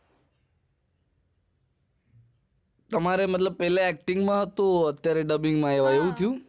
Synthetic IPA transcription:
t̪əmaɾemət̪̬ləb̚pɛleɛk̚ʈiŋɡmãɦət̪õət̪jaɾeɖəbiŋɡmãeʋaeʋũt̪ʰijũ

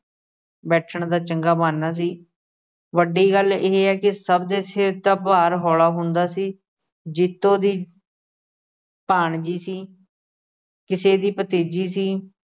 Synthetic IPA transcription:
bɛːʈʰəɳd̪aːt͡ʃəŋɡaːbaːnːaːs̬iː | ʋəɖiːɡəleːɦeɛːkɪsəbd̪eːsɪɾt̪aːpaːɾɦɔːlaːɦʊ̃nd̪aːsiː | d͡ʒɪt̪ːõːd̪iː | paːɳd͡ʒiːsiː | kɪseːd̪iːpət̪eːd͡ʒiːsiː

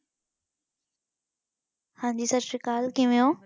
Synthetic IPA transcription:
hãːɲd͡ʑiːsɐɾʃɪkaːlkĩʋijõː

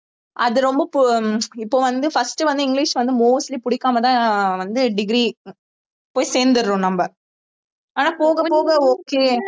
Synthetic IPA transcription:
ʔɐðɯɾɔmbɐpɪpːoːʋɐnd̪ɯfɐsʈɯʋɐnd̪ɯɪŋɡliʂʋɐnd̪ɯmoːslipʊɽɪkːaːmɐt̪ãːʋɐnd̪ɯɖɪɡɾi | poːjseːɾnd̪ɯɾɯɾõːnɐmbɐ | aːnaːpoːɣɐpoːɣɐoːkːeː

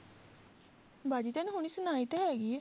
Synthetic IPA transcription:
baːd͡ʒiːt̪ɛnũɦʊɳ̃isʊnaːit̪ɦɛːɡi

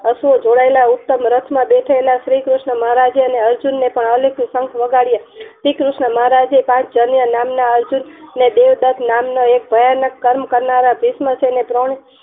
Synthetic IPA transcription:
əsuod͡ʒoɽaelaut̪ːəmɾət̪ʰmãbeʈʰaelaʃɾikɾuʃɳəməɦaɾad͡ʒeəneəɾd͡ʒunːepəɳəleksəŋkʰʋəɡaɽijaʃɾikɾʊʃɳəməɦaɾad͡ʒepãt͡ʃʰd͡ʒənjənamnaəɾd͡ʒunːed̪eʋd̪ət̪ʰnamnoek̚bʱəjanəkːəɾmkəɾnaɾabʱisməsʰenepɾoɳ̃e

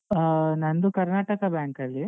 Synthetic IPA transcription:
nɐnd̪ukɐɾnaːʈɐkɐbjaːŋkɐlːi

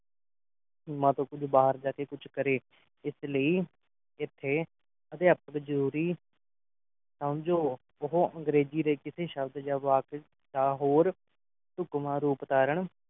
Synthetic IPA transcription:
mãːt̪õːkʊd͡ʒbaːɦəɾd͡ʒaːkeːkʊt͡ʃʰkəɾeː | ɪsləiː | ɪt̪ʰːeː | əd̪eːəp̚əkzəɾuːɾiː | səmd͡ʒoː | ʊɦoəŋɡɾeːd͡ʒiːɾeːkɪseːʃəbd̪d͡ʒaːʋaːk | d̪aːɦoːɾ | sʊkmãːɾuːpt̪aːɾəɳ

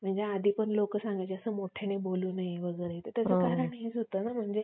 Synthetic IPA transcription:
m̤əɳd͡zead̪ʱiːpəɳlokəsãŋɡajt͡ɕeəsəːmoʈʰeneboluːnajeʋəɡəɾet̪əɾt̪jat͡səkaɾəɳɦet͡sɦot̪əːnam̤əɳd͡ze

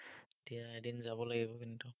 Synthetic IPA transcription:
etijaedinzaβɔlaɡibɔkintʊ

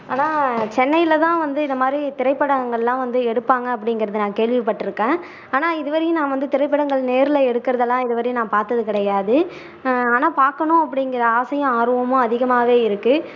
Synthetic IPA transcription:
aːnaːt͡ʃɛnːɐjɪlɐt̪ãːʋɐnd̪ɯɪnd̪ɐmaːd̪ɾit̪ɪɾɐɪpːɐɽɐŋɡɐɭɛlãːʋɐnd̪ɯɛɽɯpːaːŋɡɐːpːɐɽɪŋɡɪɾɐðɯnãːkeːɭʋɪpːɐʈːɯɾɯkːẽː | aːnaːɪðɯʋɐɾɪjɯ̃nãːʋɐnd̪ɯt̪ɪɾɐɪpːɐɽɐŋɡɐɭneːɾɪlɐɛɽɯkːɪɾɐðɐlːãːɪðɯʋɐɾɪjnãːpaːɾt̪ɐðɯkɪɽɐjaːðɯ | aːnaːpaːɾkɐɳʊ̃ɐpːɐɽɪŋɡɪɾɐaːsɐjɐ̃aːɾɯʋɐmʊ̃ɐðɪɣɐmaːʋeːɪɾɯkːɯ

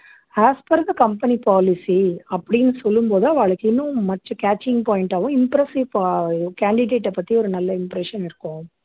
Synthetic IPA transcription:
aːspɐɾd̪ɐkɐmpɐnipaːlɪsiɐpːɐɽɪnːɯsɔlːɯmpoːðɯɐʋaːɭɐkːɪnːʊ̃mɐʈt͡ʃːɔ̃kaːt͡ʃːɪŋɡpaːɪɳʈaːʋʊ̃ɪmpɾɛsɪʋkaːɳɖɪɖeːʈːɛpːɐt̪ːiɔɾɯnɐlːɐɪmpɾɛʂɐnɪɾɯkːʊ̃

